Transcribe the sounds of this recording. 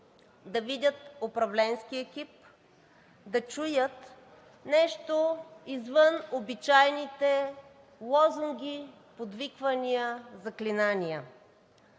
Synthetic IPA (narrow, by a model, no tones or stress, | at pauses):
d̪ɐvid̪ʲət̪opɾɐvlɛnskiɛkip̚ | d̪ɐt͡ʃujət̪ | nɛʃt̪oizvənobit͡ʃajnit̪ɛ | lˠɔzuŋɡʲi | pod̪vikvɐnijəzɐklinanijə